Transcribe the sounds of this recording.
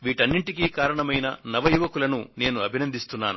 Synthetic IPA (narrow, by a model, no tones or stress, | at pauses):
ʋiːʈɐnːiɳʈikiːkaːɾɐɳɐmɐjnɐ̰nɐʋɐjuʋɐkulɐnune̞ːnuɐbʱinɐnd̪ist̪unːaːnu